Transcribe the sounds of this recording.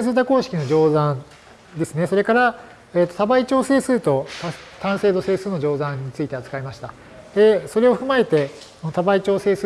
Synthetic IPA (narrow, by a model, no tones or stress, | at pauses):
ẽsɨːt̪ako̞ːɕi̥kʲino̞d͡ʑo̞ːzãn | d̪esɨne̞so̞ɾe̞kaɾa | eːt̪ːo̞t̪abait͡ɕo̞ːse̞ːsɨːt̪o̞t̪at̪ãɰ̃se̞ːd̪o̞se̞ːsɨːno̞ʑo̞ːzãɲ̟ːit͡sɨit̪e̞azɨ̥kaimaɕi̥t̪a | d̪̥e̞so̞ɾe̞oɸɯ̟mae̞t̪e̞ | not̪abait͡ɕo̞ːse̞ːs